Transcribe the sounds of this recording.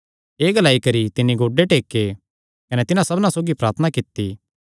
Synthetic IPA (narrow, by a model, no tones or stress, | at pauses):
eːɡɐlaːikɐɾit̪ɪnːiɡoːɖeʈeːkːe | kɐnɛt̪ɪnãsɐbnãsoːɡipɾaːɾt̪ʰənakɪt̪ːi